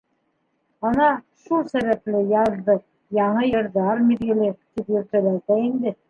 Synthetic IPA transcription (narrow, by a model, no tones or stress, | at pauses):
ɑnɑ | ʃulˠsæβæplɘjɑðːɤq | jɑɴɤjɤ̆ɾðɑɾmiðɡɘ̆lɘt̪ipjɵ̆ɾt̪ælæt̪æind̪ɘ